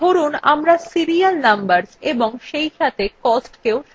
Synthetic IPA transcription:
oɾunamɾasiɾialnambaɾseboŋʃejʃat̪ʰekɔsʈkeoʃ

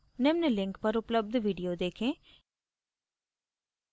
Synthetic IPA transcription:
nɪmnəlɪ̃ŋkpɐɾʊpləb̚d̪ʋiːɖijod̪eːkʰẽː

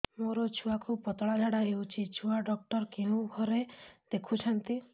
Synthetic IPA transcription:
moɾɔt͡ʃʰuakupɔt̪ɔɽad͡ʒʱaɽaɦewt͡ʃʰit͡ʃʰuaɖɔk̚ʈɔɾkeɦũɡʱɔɾed̪̥ekʰut͡ʃʰɔnt̪i

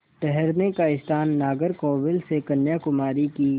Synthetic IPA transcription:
ʈɛɦɛɾnekaɪst̪ʰaːnːaːɡəɾkɔːʋɪlsekɐnjakʊmaːɾikiː

